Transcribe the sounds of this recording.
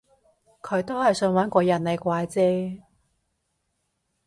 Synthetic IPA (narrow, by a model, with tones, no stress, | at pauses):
kʰɵ˨˧ɥt̪o˥whɐ˨jsɵ˧nwɐː˨˥nkʷɔː˧jɐ˨˩nle˨jkʷaː˧jt͡sɛː˥